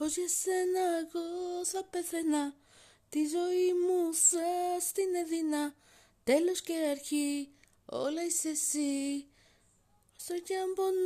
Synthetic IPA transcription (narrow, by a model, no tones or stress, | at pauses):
oʃesenaɣosapeθenã | t̪iʒoimũsast̪inẽðinã | t̪eloʃkeɾaɾxi | o̰lajsesi | sajambon